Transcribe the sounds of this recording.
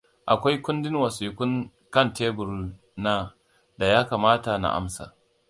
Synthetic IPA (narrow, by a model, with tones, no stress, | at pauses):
ʔa˨kʷa˦jkʷʊ˦ndɪ˦nwɐ˨siː˨kʷʊ˦ŋ | kɐ˦˨nteː˦bʊ˨ɾu˦ | naː˦ | da˨jaː˦kaː˨maː˦ta˨na̰˨ʔa̰˦msa̰ː˨